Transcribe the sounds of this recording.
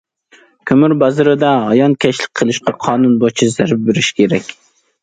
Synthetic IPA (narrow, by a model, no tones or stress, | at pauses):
kʲʰømyɾbɑzɨɾɨd̪ɑɦɑjɑnt̪̚kʲʰɛʃlˠɪk̚ʲqʰəlˠɨʃqʰɑqʰɑːnunbot͡ʃʰizæɾp̚beɾɪʃkʲʰeɾɛkʲ